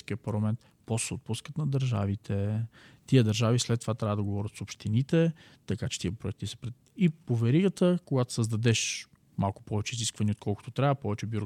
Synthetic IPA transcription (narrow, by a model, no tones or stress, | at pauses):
kiəpɐɾlˠɐmɛnt̪ | pɔssɛot̪̚puskət̪nɐd̪əɾʒa̰vit̪ʰɛt̪iəd̪ɐɾʒavislɛt̪ːovat̪ɾʲavəd̪ɐɡovɔɾʲət̪sopʃt̪init̪ɛ | t̪ɐkat͡ʃɛ̥t̪iəpɾʊɛk̚t̪isə̥pɾɛ | ipovɛɾiɡət̪əkoɡat̪o̥səzd̪ɐd̪ɛʃ | malˠkʊ̥pɔvɛt͡ʃɛiziskvɐniot̪kʰɔlˠkʊ̥t̪ot̪ɾʲavəpɔvɛt͡ʃɛbjuɾo